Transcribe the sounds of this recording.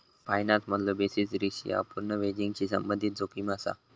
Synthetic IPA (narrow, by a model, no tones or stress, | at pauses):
pajnat̪mət̪lobesit͡sɾiɕia̰puɾɳəʋed͡ʑiŋɡt͡ɕiːsəmbənd̪ʱit̪̚d͡zokimasa̰